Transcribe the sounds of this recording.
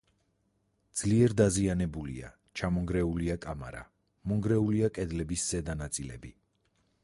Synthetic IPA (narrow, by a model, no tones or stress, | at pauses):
d̪z̥liɛɾd̪azianɛbulḭa̰ | t͡ʃʰamɔŋɡɾɛuliakʼama̰ɾa̰ | mɔŋɡɾɛuliakʼɛd̪lɛbisːɛd̪anat̪sʼilɛ̰bi